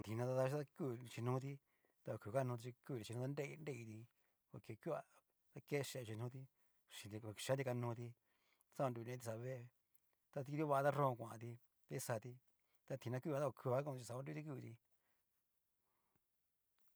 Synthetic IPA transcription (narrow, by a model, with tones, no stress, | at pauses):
t̪i˧nã˧t̪a˧t̪a˧ʃa˧ku˧t͡ʃi˧nũ˧˦t̪̬i˧ | t̪a˧o˧ku˨ka˦˧nũ˧t̪i˧t͡ʃi˧ku˦˧t̪i˧t͡ʃi˧ũ˧a˦de˦˧i˧nde˦˧i˧t̪i˧ | ko˧ke˧ku˦a˧ | t̪a˧ke˦˧ʃe˧˨˧t͡ʃi˧nũ˦t̪̬i˧ | ʃĩ˧d̪i˧˨˧ʃa˧˦d̪i˧ka˧nũː˧t̪i˧ | a˧sa˦˧a˧du˧nẽ˧˦t̪i˧sa˧βe˦˧ | t̪a˧t̪i˧d̪jo˦βa˧a˧t̪a˦rõ˦˧kʷã˨ã̰˧t̪̬i˧ | t̪a˧i˦sa˧t̪i˧ | t̪a˧t̪ʰĩ˧nã˧ku˦˧ã˧˦a˧ko˧kʰu˧βa˧˦kũ˧t͡ʃi˧sa˧a˧˦du˧t̪i˧k̬u˧t̪i˧